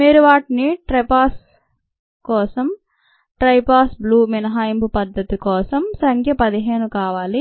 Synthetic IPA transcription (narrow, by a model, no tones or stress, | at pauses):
miːɾuʋaːʈiniʈɾɐpaːs | kɔːsɐm | ʈɾɐjpaːsbluːminɐɦaːjimbupɐd̪ːɐt̪ikɔːsɐmsɐŋkʰjɐpɐd̪iɦeːnukaːʋaːli